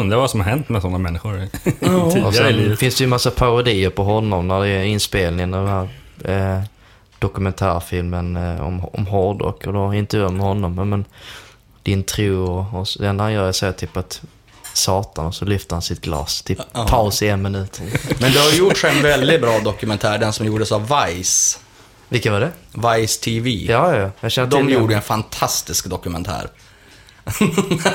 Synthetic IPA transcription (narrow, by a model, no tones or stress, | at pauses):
ɵnd̪ɾavasɔmhaɾɦɛnt̪mɛsɔnːamɛnːɪɧʊɾ | ɔɛnfɪnsd̪ɛjɵmasːapʰaɾʊd̪iːəɾpʰɔɦɔnːɔmnæɖɛɾɪnspeːlnɪŋənad̪ɛnɦæːɾ | d̪̥ɔkɵmɛnt̪ʰæːɾfɪlmənɔ̰mɔmɦɔɾdɔ̰kʰɔd̪ɔɪnt̪əjʉːamɛhɔnːɔmːmɛn | d̪̥ɪnt̪ʰɾuːɔɔsd̪ɛnːɾhanjœːɾjasɛt̪ʰʏpːat̪ | sɑːt̪anɔsɔlʏft̪əɾhansɪt̪̚ɡ̥lɑ̰ːst̪ʰɪpʰaʊsɪɛnmɪnʉ̟ːt̪ʰmɛnd̪ɵhaɾjʊʈʂɛnvɛld̪ɪbɾɑːd̪ɔkɵmɛnt̪ʰæːɖɛnsɔmjuːɖəsavvajs | vɪlkːat̪vaɖɛvajst̪ʰiviːjɑːjɑjɑjɑʃɛnːət̪d̪ɔmjuːɖəɛnfant̪ʰast̪ɪskd̪ɔkɵmɛnt̪ʰæ̰ːɾ